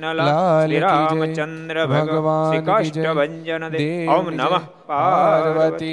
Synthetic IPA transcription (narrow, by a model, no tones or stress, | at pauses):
laːlikid͡ʒɐ | bʱɐɡʋaːnid͡ʒɐ | d̪eːn | aɾʋɐt̪i